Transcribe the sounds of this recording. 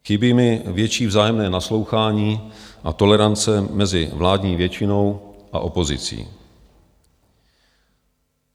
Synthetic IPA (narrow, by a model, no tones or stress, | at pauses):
xɪbɪmɪvjɛt͡ʃiːvzaːjɛmnɛːnaslo̞wxaːɲiːʔat̪o̞lɛɾant͡sɛmɛzɪvlaːdɲiːvjɛt͡ʃɪno̞wʔa̰ʔo̞po̞zɪ̰t͡sḭː